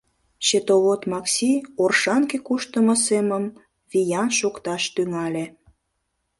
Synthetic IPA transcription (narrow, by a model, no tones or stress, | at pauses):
ɕet̪oβot̪mɑksʲiorʃɑŋkekuʃt̪əməseməm | βijɑnʃukt̪ɑʃt̪yŋɑlʲe